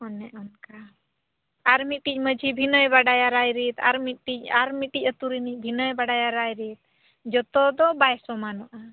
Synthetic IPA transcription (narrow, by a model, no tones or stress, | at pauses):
ɔnɛʔɔnka | aɾmit̪̚ʈic̚ˀməd͡ʒʱibʱinəjbaɖajaɾajɾit̪a̰ɾmit̪̚ʈic̚aɾmit̪̚ʈic̚ˀət̪uɾinic̚ˀbʱinəjbaɖajaɾajɾit̪̚ | d͡ʒɔt̪ɔd̪ɔbajɛsɔmanɔʔa